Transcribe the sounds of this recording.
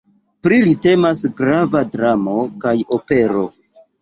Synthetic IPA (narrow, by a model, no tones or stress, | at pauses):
pɾilite̞masɡɾavadɾamo̞kajo̞pe̞ɾo̞